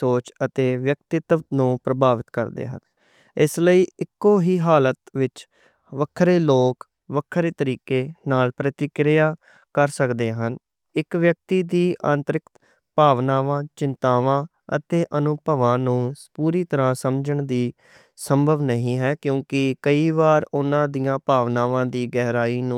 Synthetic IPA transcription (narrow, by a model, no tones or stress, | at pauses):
soːt͡ʃət̪eːʋjək̚t̪ɪt̪nũːpɾəbaːʋɪt̪kə̰ɾd̪ḛːɦə̰n | ɪsləiːɪkːoːɦiːɦaːlət̪ʋɪt͡ʃ | ʋəkʰːɾeːloːk | ʋəkʰːəɾeːt̪əɾiːkeːnaːlpɾət̪ɪkɾɪjaː | kəɾsəkd̪eːɦən | ɪkʋjək̚t̪iːd̪iːʔã̰ːnt̪əɾɪkt̪ | paːʋnaːʋãːt͡ʃɪnt̪aːʋãː | ə̰t̪eːʔənʊpəʋãːnũːpuːɾiːt̪əɾãːsəmd͡ʒəɳd̪iː | səmbʱəʋnəɦĩːɦɛːkjõːkɪkəiːʋaːɾʊnãːd̪ijãːpaːʋnaːʋãːd̪iːɡɛːɦɾaːiːnũː